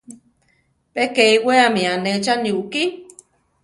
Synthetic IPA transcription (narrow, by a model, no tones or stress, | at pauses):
pekeiweamĩãnet͡ʃanuʔki